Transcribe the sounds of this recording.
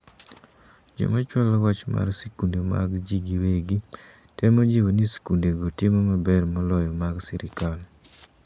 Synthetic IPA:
d͡ʒo̰mat͡ʃwɔlɔwat͡ʃma̰rsikundoma̰ɡd͡ʒiɡiweɡi | tɛmod͡ʒiwonisi̥kundeɡotemomabɛrmɔlɔjɔmaɡsiɾɪkal

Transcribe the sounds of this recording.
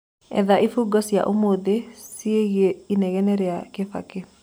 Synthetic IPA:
ɛ̰ðaʔifuɡɔsija̰ʔomod̪esieɣeinɛɣɛnɛɾɛakefa̰ke

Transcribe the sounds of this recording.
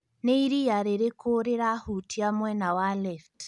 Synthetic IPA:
neiɾijaɾeɾekoɾeɾahutʰiamwɛnawalɛft

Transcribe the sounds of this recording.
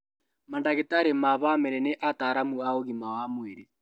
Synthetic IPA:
mandaɣetaɾemaβamɛɾɛneʔataɾamuaoɣimawamweɾe

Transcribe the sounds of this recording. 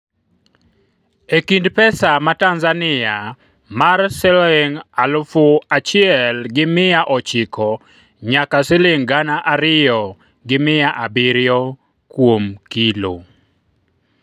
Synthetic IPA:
ekindpɛsamatanzanɪa | marsɛlɛŋalʊfʊat͡ʃɪɛlɡɪmɪjaʔɔt͡ʃɪkɔ | ɲakasɪleŋɡanaʔaɾɪjɔ | ɡɪmɪjaʔabɪɾjɔ | kwomkilo̰

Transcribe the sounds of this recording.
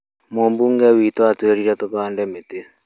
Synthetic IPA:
moːmbuŋɡɛwit̪oatweɾiɾɛt̪oβaːndɛmet̪e

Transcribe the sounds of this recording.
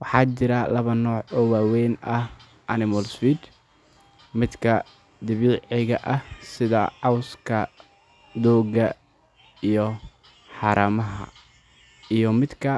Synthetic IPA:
wɑħɑːt͡ʃɪɾɐlɐβɐnɔːʕɔːwaːwɛjnɐh | ʔɐnɪmɔlswiːd̪ | mɪd̪kʰɐ | d̪ɪβiːʕɪɣɐʔɐhsɪðɐʕɑwskʰɐ | d̪ɔːɣɐ | ijɔ | ħɑːɾɐmɐɦɐ̰ | ijɔmɪd̪kʰɐ

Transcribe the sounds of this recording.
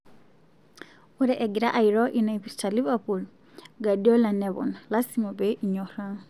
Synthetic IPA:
uɾɛʔɛɡiɾaʔaiɾɔʔinaipistalivapul | ɡadiɔlanɛβɔ̰nlasimɔbɛʔiɲɔɾa

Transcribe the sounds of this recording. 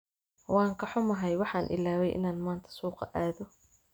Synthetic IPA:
wɑːŋkʰɐħʊmɐɦɛjwɑħɑːnʔɪ̰laːwɛjʔɪ̰naːnmaːnt̪ʰɐ̥suːqɑʔaːðɔ

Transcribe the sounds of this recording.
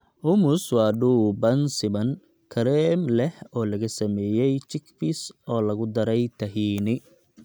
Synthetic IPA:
ʔʊmʊswɑːɖuːbɐnsɪbɐn | kʰɐɾɛmlɛhɔːlɐɣɐsɐmɛːjɛjt͡ʃɪkfɪsɔːlɐɣʊd̪ɐɾɛjt̪ʰɐɦiːnɪ

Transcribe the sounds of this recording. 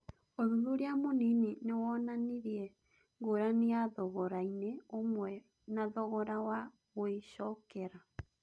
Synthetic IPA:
oðuðoɾeamonininewɔnaniɾjɛ | ŋɡoɾaniaðɔɣɔɾaineomwɛ | naðɔɣɔɾawa | ɣoeʃɔkɛɾa

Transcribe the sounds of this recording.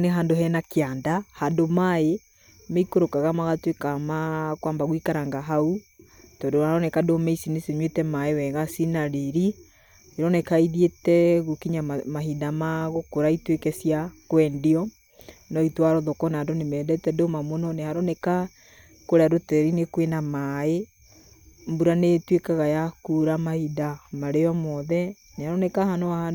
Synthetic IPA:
neɦandoɦɛnakeandahandomae | meikoɾokaɣamaɣatwekamakwambaɣwikaɾaŋɡaɦautɔdohaɾɔnɛkadomɛisineseɲwetɛmaewɛɣasinaɾeɾi | eɾɔnɛkaiðietɛɣokiɲamaɦidamaɣokoɾaitwekɛsjakwɛndiɔ | nɔitwaɾɔðɔkɔnadonemɛdɛtɛdomamonɔnehaɾɔneka | koɾeaɾotɛɾinekwenamae | mbuɾanetwekaɣajakuɾamahidamaɾeɔmɔðɛ | nehaɾɔnekahanɔaa

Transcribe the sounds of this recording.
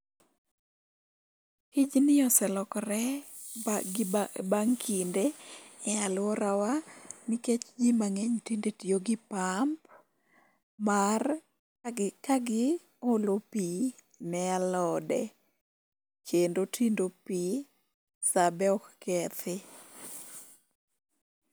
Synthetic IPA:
kɪd͡ʒnɪɔsɛlɔkɾɛ | baŋkʰindeɛalwɔɾawamiket͡ʃd͡ʒimaŋeɲtindetijoɡɪpamp̚ | mar | kaɡɪ | olopi | mɛalɔdɛ | kʰendotʰindopi | sabɛɔkkɛt̪ɪ

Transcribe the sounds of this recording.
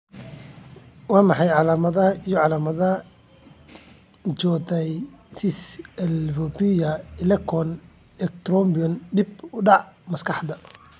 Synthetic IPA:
wɑːmɑħɑjʕɑlaːmɐðɐijɔʕɑlaːmɐðɐ | t͡ʃɔːt̪ɛjsɪsɛlfɔbijɐɪlɛkʰɔn | ɛkt̪ɾɔmbiɔnɖɪbʊɖɑʕmɐskʰɑħd̪ɐ

